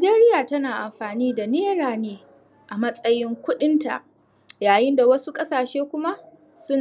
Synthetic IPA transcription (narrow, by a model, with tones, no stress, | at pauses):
d͡ʒeː˦ɾɪ˦jaː˨tɐ˦naː˨ʔa˨mɸaː˨niː˦da˨neː˦ɽaː˨neː˦ | ʔa˨mɐ˦sʼɐ˦jɪ˦ŋkʷʊ˦ɗɪ˦nta̰˨ʔ | jaː˨jɪ˦nda˨wɐ˦su˦kʼɐ˦saː˨ʃeː˦kʷʊ˦ma˦ʔ | sʊ˦n